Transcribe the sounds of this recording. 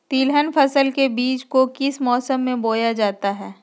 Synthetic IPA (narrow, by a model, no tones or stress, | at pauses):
t̪iːlɦənfɐsəlkebiːt͡ʃkokɪsmɔːsəmːẽboːjad͡ʒaːt̪aɦɛː